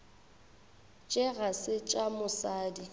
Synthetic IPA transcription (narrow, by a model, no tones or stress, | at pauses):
t͡ʃʼɪɣasɪt͡ʃʼamʊsaːdi